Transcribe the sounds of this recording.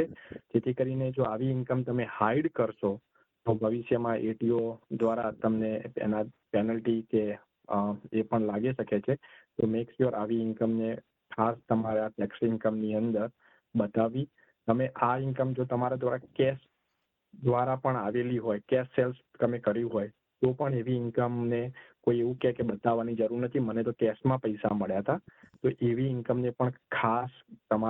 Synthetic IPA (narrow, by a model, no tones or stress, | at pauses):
ed͡ʒet̪ʰikəɾined͡ʒoaʋiɪŋkəmt̪əmehaiɖkəɾʃo | t̪obʱəʋɪʃjəmãʔeʈiod̪ʋaɾat̪əmneḛna | pɛnəlʈike | epəɳlaɡiʃəket͡ʃʰet̪omeksəɾʔaʋiɪŋkəmne | kʰast̪əmaɾeaʈɛksɪŋkəmniənd̪əɾ | bət̪aʋĩ | t̪əmeʔaɪŋkəmd͡ʒot̪əmaɾad̪ʋaɾakɛs | d̪ʋaɾapəɳaʋeliɦojkɛsːelst̪əmekəɾjũɦoj | t̪opəɳeʋiɪŋkəmnekoieʋũkɛkebət̪aʋːanid͡ʒəɾuɾnət̪ʰimənet̪okɛsmãpəjsa̰məɭjat̪at̪oʔeʋiɪŋkəmnepəɳkʰast̪əma